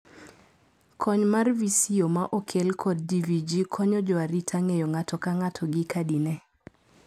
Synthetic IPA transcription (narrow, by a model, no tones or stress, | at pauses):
kʰɔɲmarvisiomaʔokʰelkʰɔd̚divid͡ʒikʰɔɲɔd͡ʒɔaɾitʰaŋejoŋatɔkaŋatʰɔɡɪkadinɛ